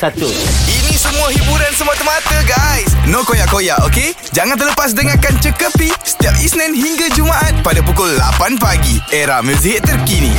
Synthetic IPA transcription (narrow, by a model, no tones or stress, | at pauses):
sat̪ʊinĩsəmũaɦibuɾansəmuat̪əmat̪əɡajsnõkojaʔkojaʔoke | d͡ʒaŋant̪ərləpas̬dəŋakant͡ʃəkəpisə̥t̪iap̚isnɛ̃nɦiŋɡad͡ʒumaʔat̪̚padapukʊlːa̰panpaɡieɾahmə̃siɦɪt̪ːərkinḭ̃